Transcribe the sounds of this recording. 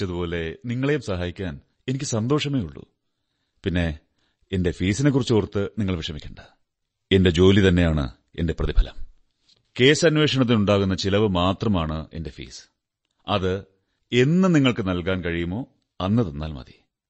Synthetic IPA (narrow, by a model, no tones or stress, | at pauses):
ɐðupo̞ːle̞niŋːɐɭe̞jumsɐɦaːjikʲːaːn | e̞nikʲːɨsɐnd̪o̞ːʂɐmeːjuɭːṵ | pinːe̞ | ende̞fiːsine̞kːurit͡ɕːoːrt̪ːɨniŋːɐɭʋiʂɐmikʲːɐɳɖɐ | e̞nde̞d͡ʑo̞ːlit̪ɐnːe̞jaːɳɨ̰ | e̞nde̞prɐðibʱɐlɐ̰m | ke̞ːsɐnʋe̞ːʂɐɳɐt̪̬ːinuɳɖaːɣunːɐt͡ɕilɐʋɨmaːt̪rɐmaːɳɨe̞̰nde̞fḭːsɨ̥ | ɐðɨ | e̞nːɨniŋːɐɭkɨnɐlkaːnkɐɻijumo̞ː | ɐnːɐðenːa̰ːlmɐ̰ði